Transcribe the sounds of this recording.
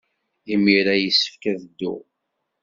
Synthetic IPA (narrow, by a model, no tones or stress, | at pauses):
imiɾæjəsːə̥fkæðəd̪ːʊ̰